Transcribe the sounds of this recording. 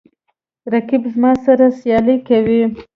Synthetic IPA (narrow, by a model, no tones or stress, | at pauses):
ɾakibzmɑsaɾasjɑlikawi